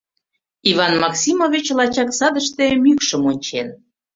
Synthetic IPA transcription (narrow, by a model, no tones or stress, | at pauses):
ivɑnmɑksimovʲit͡ɕlɑt͡ɕɑksɑd̪əʃt̪emykʃəmonʲt͡ɕen